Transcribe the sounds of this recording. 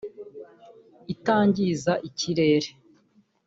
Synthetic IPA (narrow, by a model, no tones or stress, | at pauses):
itaːɲɟizaʔiciɾe̞ːɾe